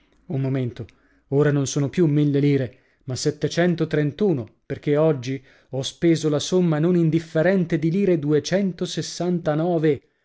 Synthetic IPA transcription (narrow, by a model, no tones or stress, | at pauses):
umːoment̪o | oːɾanonsoːnopjumːilːeliːɾe | maset̪ːet͡ʃɛnt̪ot̪ɾent̪uːnoperk̟eɔd͡ʒːi | ɔspeːzolasomːanonind̪ifːeɾɛnt̪ed̪iliːɾed̪uet͡ʃɛnt̪osesːant̪anɔːve